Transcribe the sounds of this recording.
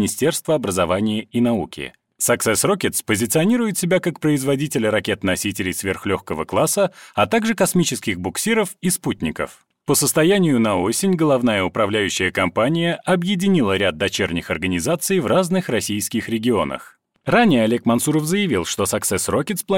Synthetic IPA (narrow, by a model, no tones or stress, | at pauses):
nʲɪsʲtʲe̞rst̪vəɐbɾəzɐvanʲɪjəinɐukʲɪ̰ | sɐksɛsro̞kʲɪt̪spəzʲɪt̪sɨɐnʲiɾʊjɪt̪sʲɪbʲakak̚pɾəɪzvɐdʲitʲɪlʲəɾɐkʲe̞t̪nɐsʲitʲɪlʲɪjsvʲe̞rxlʲo̞xkəvəklˠasəɐt̪aɡʐɨkɐsmʲit͡ɕɪskʲɪɣbʊksʲiɾəfisput̪ʲnʲɪkə̰f | pəsəst̪ɐjanʲɪjʊnɐosʲɪnʲɡəlˠɐvnajəʊpɾɐvlʲæjʉɕːɪjəkɐmpanʲɪjəʔɐbjɪdʲɪnʲilˠəɾʲad̪̚dːɐt͡ɕernʲɪxɐrɡənʲɪzat̪sɨjvraznɨxrɐsʲijskʲɪxɾʲɪɡʲɪo̞̰nə̰x | ranʲɪjəɐlʲekmɐnt̪suɾəfzəjɪvʲilˠʂt̪o̞sɐksɛsrokʲɪt̪splˠɐ